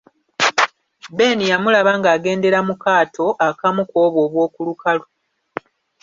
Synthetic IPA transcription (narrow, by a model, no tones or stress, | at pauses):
be̞ːnijamulaβaŋɡaːɡe̞ːnde̞ɾamukaːtʰo̞ʔakamuko̞ːβwo̞ːβwo̞ːkulukalo